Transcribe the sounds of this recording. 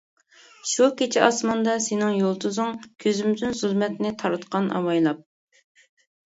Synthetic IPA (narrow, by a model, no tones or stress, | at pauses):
ʃukʲet͡ʃʰiʔɑsmɑnd̪ɑsenɪŋjolˠt̪uzʊŋkʲʰøzymd̪ɪnzylˠmɛt̪nɪt̪ʰɑɾɨt̪qɑnɑ̰wɑjlˠɑp̚